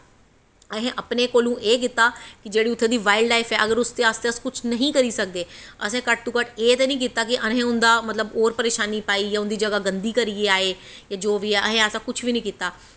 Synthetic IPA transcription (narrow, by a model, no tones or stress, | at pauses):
əɦẽːʔəpneːkoːlũːʔeːk̬ɪt̪ːaːkɪd͡ʒeːɽiːʊt̪ʰːẽːd̪iːʋaːɪɖlaːifʰɛːʔəɡəɾʊst̪eːaːst̪eːəskʊt͡ʃʰnəɦĩːkəɾiːsək̚d̪eːəsɛ̃ːkəʈ̚t̪uːkəʈeːt̪eːnəĩːkiːt̪aːk̬ɪʔənɦẽːʊ̃nd̪aːmət̪ləboːɾpəɾeːʃaːniːpaːiːjaːʊ̃nd̪iːd͡ʒəɡaːɡə̃nd̪iːkəɾieːaːeː | jaːd͡ʒoːʋiːɛːʔəɦẽːəsãːkʊt͡ʃʰʋiːnĩːkiːt̪aː